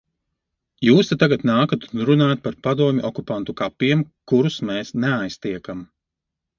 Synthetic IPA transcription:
juːst̪at̪ːaɡat̪naːkat̪unɾunaːjt̪̚paɾpad̪uɔmʲiʔɔkupant̪ukapʲːiɛmkuɾusmɛːsnɛajst̪iɛkam

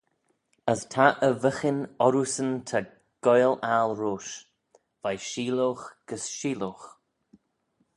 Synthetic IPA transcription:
əstʰaʔəvəxɪnɔɾusəntʰa | ɡ̥ɔjlalɹoːʃ | vajʃiːloːxɡ̥əsʃiːloːx

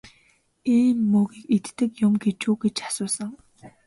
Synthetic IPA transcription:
iːmːɵːɣiːket̪ːɘ̆kjʊmɡet͡ɕuːɡet͡ɕḁsʊːsə̆ŋ

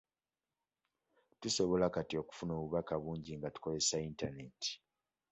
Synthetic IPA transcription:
tuso̞βo̞lakatio̞ku̥funo̞ːβuβakaβuːɲɟiŋɡatu̥ko̞ze̞saintane̞ti̥

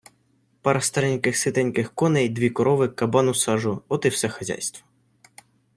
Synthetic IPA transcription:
pɑɾɐst̪ɐɾɛnʲkɪxsɪt̪ɛnʲkɪxkɔnɛjd̪ʋʲikɔɾɔʋɪkɐbɑnʊsɑʒʊɔt̪ɪwsɛxɐzʲa̰jst̪ʋɔ̥

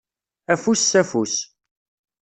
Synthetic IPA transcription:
æfusːæfus

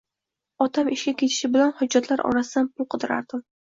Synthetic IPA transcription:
ɒt̪ʰamɪʃkʲakʲʰe̞t̪ʰɪ̥ʃɪbɪlanhʊd͡ʒːat̪ʰlaɾɒ̰ɾasɪd̪anpʰʊlˠqʰɨd̪ɪɾa̰ɾd̪̥ɪm

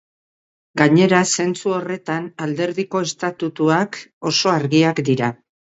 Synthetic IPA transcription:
ɡaɲe̞ɾase̞nt͡suo̞re̞t̪anald̪e̞ɾðiko̞e̞st̪at̪ut̪uako̞so̞aɾɣiakd̪iɾa

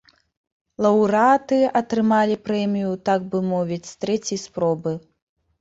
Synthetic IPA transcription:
lˠɐwɾat̪ɨɐt̪ɾɨmalʲipɾɛmʲijut̪aɡ̚bɨmɔvʲit͡sʲst̪ɾɛt͡sʲɐjspɾɔbɨ

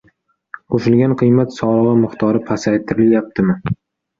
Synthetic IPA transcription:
qʰoʃɪlˠɡʲanqʰɨjmat̪sɒlˠɨʁɨmʊχt̪ʰɒɾɪpʰasajt̪ʰɪɾɪljap̚t̪ʰɪmɪ

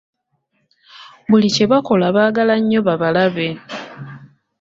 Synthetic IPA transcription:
βulice̞βako̞laβaːɡalaɲːo̞βaβalaβe̞

